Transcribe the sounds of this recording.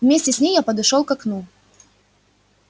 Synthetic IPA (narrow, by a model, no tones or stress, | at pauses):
vmʲesʲtʲɪsʲnʲejjapɐd̪ʊʂolˠkɐknu